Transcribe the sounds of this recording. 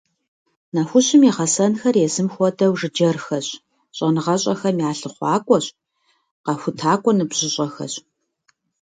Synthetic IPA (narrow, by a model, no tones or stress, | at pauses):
naxʷʊɕɪmiʁɐsɐnxɐrjɛzɨmxʷɔdɐwʐɨd͡ʒɐrxɐɕ | ɕʼɐnɨʁɐɕʼɐxɐmjaːɬɨχʷɑːkʷʼɔɕʼ | qɑxʷʊtʰaːkʷʼɔnɨbɕɪɕʼɐxɐ̰ɕ